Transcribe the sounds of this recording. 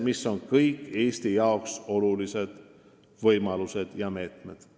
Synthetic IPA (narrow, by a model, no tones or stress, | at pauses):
misːo̞nkɤjkːˑe̞ːst̪ijɑokso̞lulise̞d̪̥ | vɤjmɑluse̞d̪̥jɑme̞ːt̪med̪̥